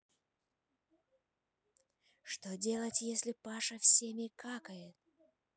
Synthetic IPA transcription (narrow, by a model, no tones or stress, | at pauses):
ʂt̪odʲe̞lˠətʲjesʲlʲɪpaʂəfsʲemʲɪkakəjɪt̪